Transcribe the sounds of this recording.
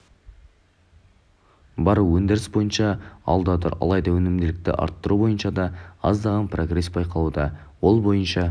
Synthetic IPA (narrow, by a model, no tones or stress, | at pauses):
bɑɾuwɵnd̪ɪɾɪsbo̞jənʃɑɑ̰lˠd̪ɑt̪ʊ̰ɾɑ̰lˠɑjd̪ɑwɵnɪmd̪ɪlɪk̚t̪ɪ̰ʔɑ̰ɾt̪ːəɾubo̞jənʃɑd̪ɑɑzd̪ɑʁɑnpro̞ɡre̞sbɑjqɑlˠud̪ɑwo̞lˠbo̞jənʃɑ